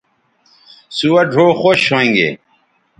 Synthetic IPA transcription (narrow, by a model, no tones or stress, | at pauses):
suwɐɖʱoːxoːɕʰõŋɡḛ